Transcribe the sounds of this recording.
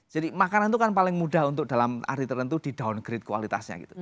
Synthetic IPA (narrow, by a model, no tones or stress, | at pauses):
d͡ʒ̥adimakanant̪ukanpalɪŋmud̥ahunt̪ʊk̚d̥a̤lama̰ɾit̪ərɾənt̪ud̥i̤d̥awʊnɡ̥əɾɪt̪̚kuwa̰lit̪a̰sɲa̰ɡit̪u